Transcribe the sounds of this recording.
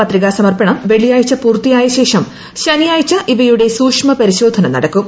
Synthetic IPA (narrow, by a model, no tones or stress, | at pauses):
pɐt̪riɣaːsɐmɐrpɐɳɐmʋe̞ɭijaːjit͡ɕːɐpuːrt̪ijaːjɐɕe̞ːʂɐm | ɕɐnijaːjit͡ɕːɐʔiʋɐjuɽe̞suːkʂmɐpɐɾiɕo̞ːd̪ʱɐnɐmnɐ̰ɽɐkːum